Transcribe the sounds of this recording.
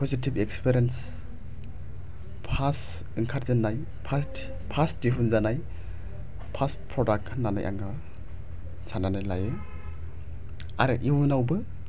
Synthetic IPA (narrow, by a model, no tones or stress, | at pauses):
pʰɔzitibekspiɾiens | pʰas | iŋkʰaɾzanːaj | pʰast | pʰasdiɦunzanaj | pʰaspʰɾɔdak̚tnana̰jʔa̰ŋɡɯ | sʰananajlaje | a̰ɾɯʔiwnawbɯ